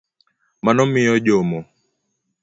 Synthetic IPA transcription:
manɔmɪjɔʄomɔ

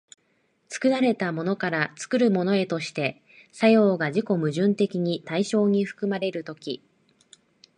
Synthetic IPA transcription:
t͡sɨ̥kɯ̟naɾe̞t̪amo̞no̞kaɾat͡sɨ̥kɯ̟ɾɯ̟mo̞no̞e̞t̪o̞ɕi̥t̪e̞ | sajo̞ːɡaʑiko̞mɯ̟ʑɨ̃nt̪e̞kʲiɲ̟it̪aiɕo̞ːɲ̟iɸɯ̟̥kɯ̟maɾe̞ɾɯ̟t̪o̞kʲi

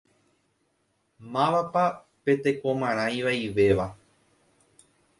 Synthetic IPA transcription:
mãʋapa | pe̞t̪e̞ko̞mãɾ̃ãjĩʋaiʋe̞ʋa

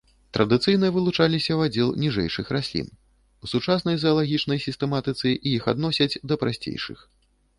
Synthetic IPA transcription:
t̪ɾɐd̪ɨt̪sɨjn̪ɐvɨlˠut͡ʂalʲisʲɐwad͡zʲɛlˠnʲiʐɛ̰jʂɨxɾasʲlʲḭn | usut͡ʂasnɐjzɐɐlˠaɣʲit͡ʂnɐjsʲist̪ɛmat̪ɨt̪sɨʔijixa̰d̪nɔsʲɐt͡sʲd̪ɐpɾasʲt͡sʲḛjʂɨ̰x

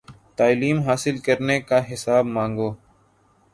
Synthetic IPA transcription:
t̪aːliːmɦaːsɪlkəɾneːkaːɦɪsaːbmãːŋɡoː

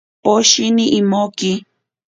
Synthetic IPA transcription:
poʃiniʔːmoki

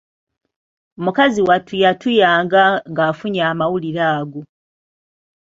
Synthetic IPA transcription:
omukaziwatujatujaːŋɡaŋɡaːfuɲaːmawuliɾaːɡu

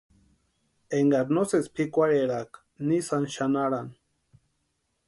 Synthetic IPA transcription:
eŋɡaɾnosespʰikʷaɾeɾak | nisanʃanaɾan

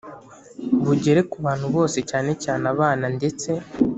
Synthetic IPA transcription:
βuɟe̞ɾe̞kuβaːn̥huβo̞ːse̞caːne̞caːnaβaːnande̞t͡se̞

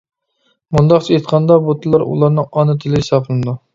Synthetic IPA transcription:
mund̪ɑqt͡ʃʰiet̪qʰɑnd̪ɑbot̪ʰɨlˠɑɾṵlˠɑɾnɨŋɑnɨt̪ʰɪlɪhesɑplˠɨnɨd̪u

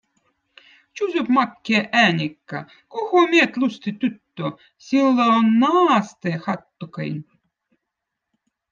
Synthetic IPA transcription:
t͡ʃuzʲupmɑkʲːiʔæːnʲikːa̰ | kohomiet̪lʲust̪it̪yt̪ːo | sʲilːonnɑːst̪eːxɑt̪ːokə̰jn

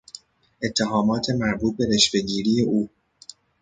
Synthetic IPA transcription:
ʔe̞t̪ʰːeɦɒːmɒːt̪ʰe̞mæɾbuːt̪̚be̞ɾe̞ʃfe̞ɟiːɾiːje̞ʔuː

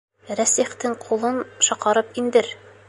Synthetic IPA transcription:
ɾæsiχt̪ɘŋqʰulˠɤnʃɒqɑɾɤpind̪ɘɾ

